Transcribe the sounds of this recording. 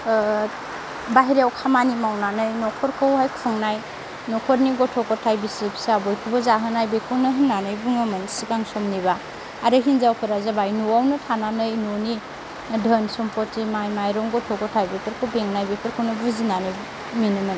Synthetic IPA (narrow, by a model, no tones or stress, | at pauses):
baɦiɾawkʰamanimawnanɯjnɔkʰɔɾkʰɯwɦajkʰfʰɯŋnaj | nɔkʰɔɾniɡɔtʰɔkɔtʰajbisipsaabɔjkʰubazaɦɯnajbekʰunɯɦɯnːanɯjbɯŋɯmɯnsikaŋsɔmniβa | aɾɯɦinzawkʰɯɾazabajnuwawnɯtʰananɯjnoni | dʱənsɔmpʰɔtimajmajɾɔŋɡɔtʰɔkɔtʰajbepʰeɾkʰɯwbeŋnajbekʰeɾkʰɯwnɯbuzinanɯj | minɯmɯn